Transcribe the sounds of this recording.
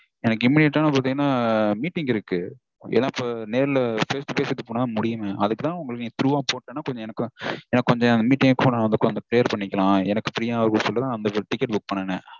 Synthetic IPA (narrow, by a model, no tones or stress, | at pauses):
ɛnɐk̬ːɯɪmːɪnɪʈːaːnɐp̬oɾɐt̪iŋɡɐnːaːmiːʈːɪŋɡɪɾɯkːɯ | ɛ̰lːãːɪpːoneːɾɪlɐfɐɾsʈɯpeːsɪt̪ːɯpoːɳaːðmʊɽɪjɯmẽːʔɐðɯkːɯt̪ãːʊŋɡɐɭkːnĩːt̪ɪɾuːʋaːpoːʈːẽːnːaːkɔɲd͡ʒɔ̃ɛnɐkːɯ̃ɛnːaːkːɔɲd͡ʒɔ̃ɐnd̪ɐmiːʈːɪŋɡɐkːɯpːnaʋɐnd̪ɯkːɔnd͡ʒɐ̃klejɐɾpɐɳːɪkːɐlãːɛnɐkːɯpɪɾɪjaːʋɐɾkɐsɔlːɐt̪ãːɐnd̪ɐʈɪkːɛʈ̚bʊk̚ːpɐɳːɐnɐ